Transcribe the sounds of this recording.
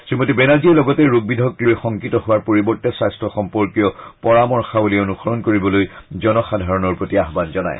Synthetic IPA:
simotibɛnaziɛlɔɡɔtɛɹuɡ̚bidʱɔkɹiljxɔŋkitɔhʊwaɹpoɹibɔɹtɛsajstʰɹɔxɔmpɔɹkijɔpɔɹamɔɹxabolionuxɔɹɔnkoɹibɔlojzɔnɔxadʱaɹɔnɔɹpɹotiaɦbanzɔna̰j̰

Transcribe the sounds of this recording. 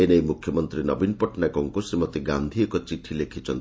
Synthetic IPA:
enejmukʰjɔmɔnt̪ɾinɔbinpɔʈnakɔŋkusemɔt̪eɡand̪ʱiekɔt͡ʃiʈʰilekʰit͡ʃʰɔ̰nt̪i

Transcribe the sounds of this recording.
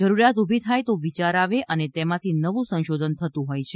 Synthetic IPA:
d͡ʒəɾuɾjat̪ubʱit̪ʰajt̪oʋit͡ʃaɾaʋeʔənet̪emãt̪ʰinəʋũsə̃nʃod̪ʱənt̪ʰət̪ũɦojt͡ʃʰe

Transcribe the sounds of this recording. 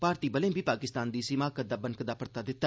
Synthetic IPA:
paːɾt̪iːbəlẽːbʱiːpaːkɪst̪aːnd̪iːsɪmaːkəd̪aːbənkəd̪aːpəɾt̪aːd̪ɪt̪ːa

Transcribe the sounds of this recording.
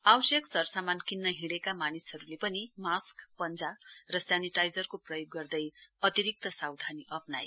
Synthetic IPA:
awsjʌksʌrsamankinːʌɦiɽekamanisɦʌɾulepʌnimaskpʌnd͡zarʌsjaniʈajd͡zʌrkoprʌjoɡːʌrd̪ʌjʌt̪iɾik̚t̪ʌsawd̪ʱaniʔʌpna̰j

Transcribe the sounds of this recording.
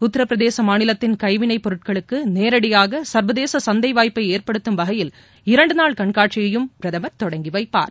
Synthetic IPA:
ʊt̪ːɐɾɐpːɾɐðeːsɐmaːnɪlɐt̪ːɪnkɐɪʋɪnɐɪpːɔɾɯʈ̚kɐɭɯkːɯneːɾɐɽɪjaːɣɐsɐɾʋɐðeːsɐsɐnd̪ɐɪʋaːjpːɐɪeːɾpɐɽɯt̪ːɯmʋɐɣɐjɪl | ɪɾɐɳɖɯnaːɭkɐɳkaːʈt͡ʃɪjɐjɯmpɪɾɐðɐmɐt̪ːɔɽɐŋɡɪʋɐɪpːa̰ːɾ

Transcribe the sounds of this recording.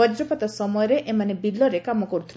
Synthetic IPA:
ɔd͡ʒɾɔpat̪asɔmɔjɔɾeʔemanebilːɔɾekamɔkɔɾut̪ʰil

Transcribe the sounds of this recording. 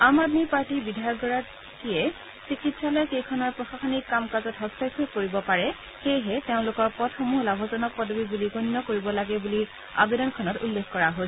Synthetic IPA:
amadmipaɹtibidʱajɔɡɔɹat | kiɛ | sɹikitsalɔjkejkʰɔnɔɹpɹɔxaxɔnikːamkazɔtɦɔstajkʰojkoɹibɔpaɹɛ | xejɦɛteʊ̃lʊkɔɹpɔtʰxɔmuɦlabʱɔzɔnɔk̚pɔdʱɔbibuliɡonːɔkoɹibɔlaɡɛbuli | a̰bedɔnkʰɔnɔtulːekʰkɔɹaɦos

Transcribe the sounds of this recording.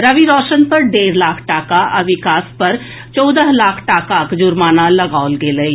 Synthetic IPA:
ɾəʋiɾɔːʃənpɐɾɖeːɾlaːkʰʈaːkaʔɐʋɪkaːspɐɾ | t͡ʃɔːd̪əɦlaːkʰʈaːkakd͡ʒʊɾmaːnalɐɡaːʊlɡeːləi

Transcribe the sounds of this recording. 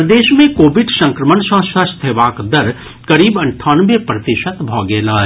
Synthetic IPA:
d̪eːʃmẽkoːʋɪɖsɐ̃ŋkɾəmənsə̃ːsɐst̪ʰeːʋaːkd̪ɐɾ | kɐɾiːbɐ̃ɳʈʰaːnʋepɾɐt̪ɪʃət̪bʱɔːɡeːlaː

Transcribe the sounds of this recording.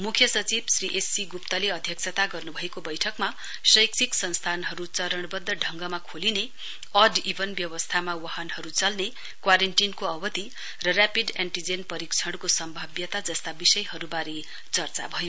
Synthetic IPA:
mukʰjʌsʌt͡sibsriʔesːiɡupt̪ʌleʌd̪ʱjʌk̚t͡sʰʌt̪aɡʌrnubʱʌekobʌjʈʰʌkma | sʌjkt͡siksʌnst̪ʰanɦʌɾut͡sʌɾʌɽ̃bʌd̪ːʌɖʱʌŋɡʌmakʰoline | ʌɖibʱʌnbjʌwʌst̪ʰamawahʌnhʌɾut͡sʌlne | kwaɾenʈinkoʌbʌt̪i | rʌrapideɳʈid͡zenpʌɾikt͡sʰʌɽkosʌmbʱʌbjʌt̪ad͡zʌst̪abisʌjɦʌɾubaɾi | t͡sʌrt͡sa̰bʱʌjo

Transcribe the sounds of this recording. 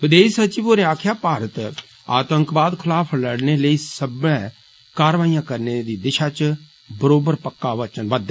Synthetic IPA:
ʋɪd̪eːsət͡ʃiʋoːɾẽaːkʰjaːpaːɾət̪ | a̰ːt̪əŋkbaːd̪kʰəlaːpʰləɽneːləiːsəbɛ̃ː | kaːɾʋaːijãːkəɾneːd̪iːd̪ɪʃaːt͡ʃ | bəɾoːbəɾpəkːaːʋət͡ʃənʋəd̪

